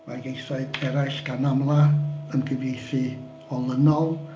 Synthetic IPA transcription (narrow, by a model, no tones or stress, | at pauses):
ma̰rɡejθaɨɡʰɛɾajʃɡ̥anamlˠaəndɪvjejθɨ | ɔlˠənɔlˠ